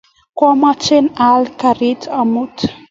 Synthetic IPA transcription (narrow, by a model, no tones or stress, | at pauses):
kwamat͡senialikaɾet̪amut̪